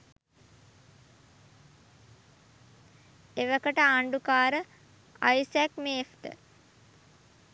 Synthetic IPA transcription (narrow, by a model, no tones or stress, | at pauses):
eʋəkəʈəaɳɖukaːɾə | a̰jsækmeːfʈə̰